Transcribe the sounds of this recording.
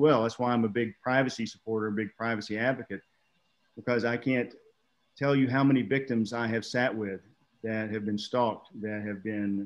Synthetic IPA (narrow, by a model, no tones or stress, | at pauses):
wɛlˠðætswaɪãɪ̃məbɪɡ̚pʰɹ̥aɪvɨsisə̥pʰɔɹɾə˞ɨbɪɡ̚pʰɹ̥aɪvɨsiædvɨkɨt̚ | b̥əkʰʌzaɪkʰæ̃ntʰ | ɛlˠjɨɦaʊmɛnivɪk̚tɨ̃mzaɪɨv̥sæʔ̚wɪð | ðɨt̚hɨvbɨ̃nstɑk̚t̚ðɨt̚hɨvbɪ̃n